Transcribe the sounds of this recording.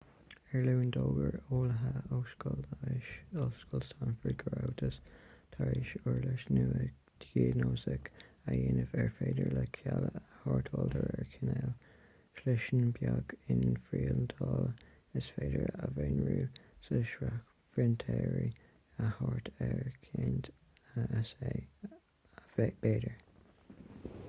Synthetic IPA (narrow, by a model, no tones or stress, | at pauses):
ɛɹluːndoːɡəɹoːlɦəoskɔlʃoskɔlstanfəɹd̚ɡɹawtʰəst̪ʰaɹiʃʊɹləʃnuə | d̥ɡiːnoːsək | ajɪnəvɛɹfeːdəɹləkʰjaləəhɑːɹtʰɔːldəɹɛɹkʰɪnɛl | ʃlɪʃənbjaɡɪnfɹiːlnt̪ʰɑːlə | ɪsfeːdəɹəveːnɹuːsəʃɹak | fɹɪntʰɛːɹi | əhɔɹt̪ʰɛɹkʰint | ase | b̥eːdəɹ